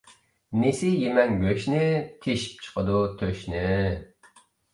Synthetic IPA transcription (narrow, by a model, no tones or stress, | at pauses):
nesɪjemɛŋbøʃnɪt̪ʰeʃi̥p̚t͡ʃʰə̥qəd̪ut̪ʰøʃnɪ